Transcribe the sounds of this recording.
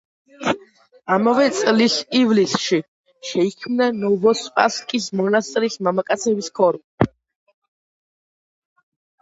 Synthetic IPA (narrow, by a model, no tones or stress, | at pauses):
amavɛt̪sʼlisivlisʃi | ʃɛikʰmnanɔvɔspʼa̰skʼismɔnast̪ʼɾismamakʼat̪sʰɛbiskʰɔɾm